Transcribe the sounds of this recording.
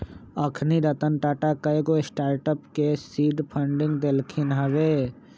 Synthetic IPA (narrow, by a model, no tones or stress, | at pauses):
əkʰniɾət̪ənʈaːʈakəeɡoɪsʈaːɾʈəpkesiːɖpʰəɳɖɪ̃ŋɡd̪elkʰɪnɦɐʋeː